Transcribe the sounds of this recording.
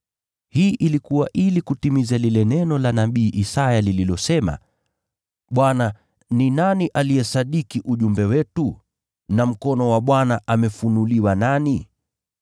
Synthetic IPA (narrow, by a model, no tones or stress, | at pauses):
hiːʔilikuwaʔilikutimizalilɛnɛnɔlanaɓiːʔisajalililɔsɛma̰ | ɓwana | ninaniʔalijɛsaɗikiʔuʄumbɛwɛtu | nam̩kɔnɔwaɓwanaʔamɛfunuliwanani